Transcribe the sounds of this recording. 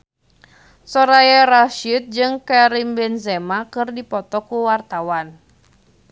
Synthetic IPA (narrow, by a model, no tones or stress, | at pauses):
sɔɾajaɾaʃit̪̚d͡ʒɨŋkɛɾimbɛnzɛmakɨrdipɔt̪ɔkuwart̪awan